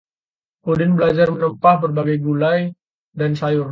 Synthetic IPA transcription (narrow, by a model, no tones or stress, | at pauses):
kodɪnbəlad͡ʒarmənəmpahbərbaɡajɡulaj | dansajʊr